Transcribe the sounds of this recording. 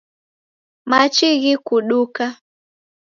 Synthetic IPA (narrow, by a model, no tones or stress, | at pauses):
mat͡ʃiɣikuɗuka